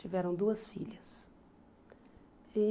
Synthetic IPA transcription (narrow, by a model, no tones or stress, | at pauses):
t͡ʃivɛɾɐ̃w̃d̪uɐsfḭʎɐs | i